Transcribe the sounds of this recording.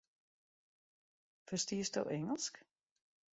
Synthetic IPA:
fəstiəstdo̰wʔɛŋəlˠsk

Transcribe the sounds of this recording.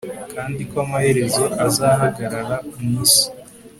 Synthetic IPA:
kʰaːndikoamahe̞ɾe̞zo̞ʔazaːɦaɡaɾaɾakumuːsi̥

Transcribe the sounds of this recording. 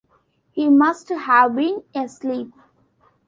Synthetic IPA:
hiːmʌsʈhæʋbĩːnesliːp̚

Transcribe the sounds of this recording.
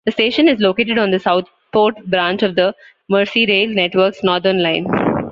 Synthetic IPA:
d̪̥əsʈeːʃə̃nɪzloːkeːʈɪɖɔ̃ːnd̪əsaʊt̪ʰ | poːɾʈbɾãːnt͡ʃɔʋd̪ə | məːɾsiɾeːlneʈʋəɾksnɔːɾd̪ənlãɪ̃n

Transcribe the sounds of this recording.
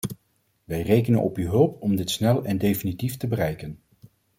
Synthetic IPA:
ʋɛjrejkənə̰nʔɔpyːɦɵlˠpɔmdɪtsnɛlˠɛndejfinitiftəbərɛjkən

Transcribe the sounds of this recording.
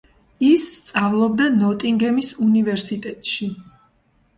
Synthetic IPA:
isːt̪sʼavlˠɔb̚d̪anɔt̪ʼiŋɡɛmisunivɛɾsit̪ʼɛt̪ʼʃi

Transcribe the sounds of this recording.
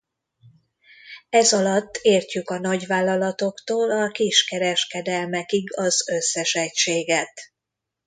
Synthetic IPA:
ɛzɒlɒt̪ːeːrcykɒnɒɟʋaːlːɒlɒt̪o̞kt̪oːlɒkiʃkɛɾɛʃkɛd̪ɛlmɛkiɡɒzø̞sːɛʃɛcʃeːɡɛt̪

